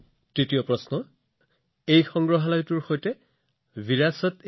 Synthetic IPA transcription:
tɹitijɔpɹɔsnɔ | ejxɔŋɡɹɔɦalajtuɹxojtɛ | biɹasɔt

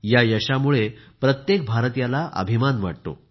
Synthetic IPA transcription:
jajəɕamuɭepɾət̪jek̚bʱaɾt̪jalaʔə̰bʱimanʋaʈ̚t̪o̰

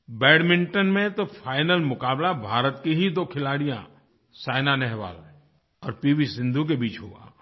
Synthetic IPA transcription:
bɛːɽmɪ̃ɳʈənmẽt̪opʰaːɪnəlmʊkaːblabʱaːɾət̪kiɦid̪okʰɪlaːɽijã̰ | saːɪnanɛɦʋa̰ːl | ɔːɾpiːbisɪ̃nd̪ʱuk̬ebiːt͡ʃɦoa̰ː

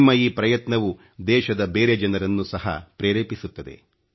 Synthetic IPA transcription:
mɐiːpɾɐjɐt̪nɐʋu | d̪ɛːʃɐd̪ɐbeːɾe̞d͡ʒɐnɐɾɐnːusɐɦɐ̰pɾeːɾeːpisut̪ːɐd̪e̞̰

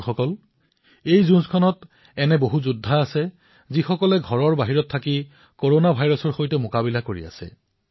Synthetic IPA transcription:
xɔkɔl | ejzunskʰɔnɔt | ɛnɛboɦuzudʱːaːsɛ | zixɔkɔlɛɡʱɔɹɔɹbaɦiɹɔtʰːaki | koɹonabʱajɹɔsɔɹxojtɛmʊkabilakoɹḭa̰sɛ̰

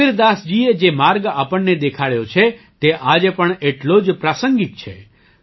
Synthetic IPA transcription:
ɪɾd̪asd͡ʒied͡ʒemaɾɡapəɳned̪ekʰaɭjot͡ʃʰe | t̪eʔad͡ʒepəɳeʈlod͡ʒpɾasəŋɡik̪̚t͡ʃʰḛ

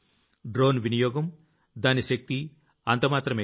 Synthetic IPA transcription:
ɖɾoːnʋinijɔːɡɐm | d̪aːniʃɐk̚t̪i | ɐnt̪ɐmaːt̪ɾɐmeː

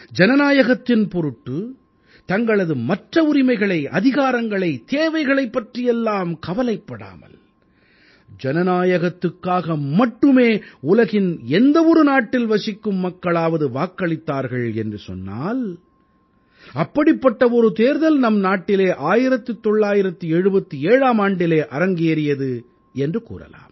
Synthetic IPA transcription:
d͡ʒɛnɐnaːjɐɣɐt̪ːɪnpɔɾɯʈːɯ | t̪ɐŋɡɐɭɐðɯmɐʈrɐʊɾɪmɐɪɣɐɭɐɪʔɐ̰ðɪɣaːɾɐŋɡɐɭɐɪt̪eːʋɐɪɣɐɭɐɪpːɐʈrɪjɛlːaːmkɐʋɐlɐɪpːɐɽa̰ːmɐ̰l | d͡ʒɛnɐnaːjɐɣɐt̪ːɯkːaːɣɐmɐʈːɯmeːʊlɐɣɪnɛnd̪ɐɔɾɯnaːʈːɪlʋɐsɪkːɯmːɐkːɐɭaːʋɐðɯʋaːkːɐɭɪt̪ːaːɾɣɐɭɛndrɯsɔ̰nːa̰ːl | ɐpːɐɽɪpːɐʈːɐɔɾɯt̪eːɾðɐlnɐmnaːʈːɪleːʔaːjɪɾɐt̪ːɯt̪ːɔɭːaːjɪɾɐt̪ːɯɛɻɯbɐt̪ːɯeːɻaːmaːɳɖɪleːʔɐɾɐŋɡeːɾɪjɐðɯ | ɛndrɯkṵːrɐ̰la̰ːm

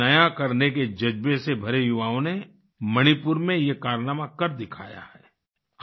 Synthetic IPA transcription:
ɐjakɐɾneked͡ʒɐd͡ʒbesebʱɐɾejʊʋaːõne | mɐɽ̃ipʊɾmẽjekaːɾnaːmakɐɾd̪ɪkʰa̰ːja̰hɛː

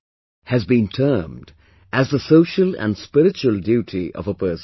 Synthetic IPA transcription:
hɨzbĩntʰɜ˞md | ʔɨzðəsoʊʃəlˠə̰̃nspɪɾɨt͡ʃuəlˠdjʉːɾʰiʔʌ̰vəpɜːs

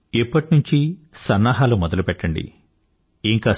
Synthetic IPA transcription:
ipːɐʈinuɲt͡ʃisɐnːaːɦaːlumɔd̪ɐlupɛʈːɐɳɖḭ | iŋkaː

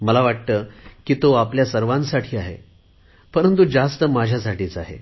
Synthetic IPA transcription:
məlaʋaʈ̚t̪əːkiːt̪oapljasəɾʋãnsaʈʰiːaɦḛ | pəɾənt̪ud͡zast̪əmad͡ʑʱjasaʈʰiːt͡saɦḛ

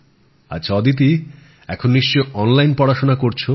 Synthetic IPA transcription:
a̰t͡ɕʰɔd̪it̪̬i | ɛkʰonniʃt͡ɕoʔɔnlajnpɔɽaʃonakoɾt͡ɕʰo

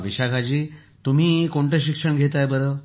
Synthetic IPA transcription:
ʋiɕakʰad͡ʑiː | t̪um̤iːkoɳʈəɕ̬ikʂəɳɡʱet̪̬ajbəɾəː

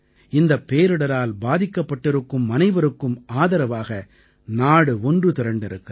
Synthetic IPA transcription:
ɪnd̪ɐpːeːɾɯɽɐɾaːlbaːðɪkːɐpːɐʈːɪɾɯkːɯmːɐnɐɪʋɐɾɯkːɯmaːðɐɾɐʋaːɣɐ | naːɽɯɔndrɯt̪ɪɾɐɳɖɪɾɯkːɯ

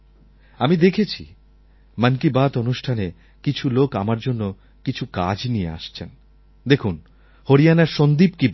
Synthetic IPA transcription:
amid̪ekʰet͡ɕʰḭ | mankibat̪onuʃʈʰane | kit͡ɕʰulokamaɾd͡ʑonːo | kit͡ɕʰuka̰d͡ʑnijḛa̰ʃt͡ɕʰen | d̪ekʰun | hoɾijanaɾʃond̪ibki

